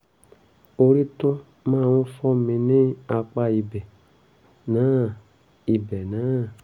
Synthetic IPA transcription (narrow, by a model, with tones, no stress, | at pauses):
o˧ɾi˦to˦ | mãː˦˨w̃ɔ̃˦fɔ˦˨mĩ˧nĩ˦a˧k͡pa˦i˧bɛ˨ | nãː˨˦ | i˨bɛ˨nã˨˦